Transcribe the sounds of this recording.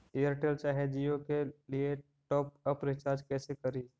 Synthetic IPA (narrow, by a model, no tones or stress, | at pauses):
ejəɾʈelt͡ʃaːɦed͡ʒijokelie | ʈɔːp̚əpɾɪt͡ʃaːɾd͡ʒkɛːsekɐɾiːd͡ʒ